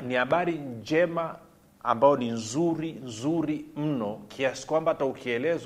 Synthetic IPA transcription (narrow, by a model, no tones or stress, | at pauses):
nihaɓaɾid͡ʒɛma | a̰mbaɔninzuɾinzuɾim̩nɔkʰiasi̥kwambaataukiɛlɛz